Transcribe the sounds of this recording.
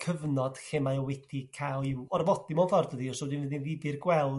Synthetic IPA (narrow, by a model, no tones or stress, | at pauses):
kʰəvnɔd̥xemajɔwɛtʰikʰawˠɪwɔrvɔdimɔnfɔrdəðiɔsɔdinvədinvibɨrɡwɛlˠ